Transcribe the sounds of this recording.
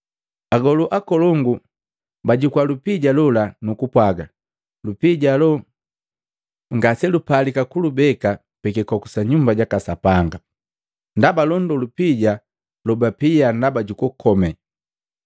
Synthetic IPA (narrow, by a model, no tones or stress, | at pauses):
aɡɔluʔakɔlɔŋɡu | baɟukwalupiɟalulanukupwaɡa | lupiɟalɔ | ŋɡasɛlupalikakulubɛka | pɛkɛkɔkusaɲumbaɟakasapaŋɡa | ndabalɔndɔlupiɟa | lɔbapijandabaɟukukʰɔmɛ